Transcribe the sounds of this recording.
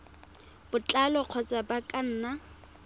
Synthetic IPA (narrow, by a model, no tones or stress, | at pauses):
b̥ʊt͡ɬʼalɔq͡χʰɔt͡sʼabakʼan̩ːna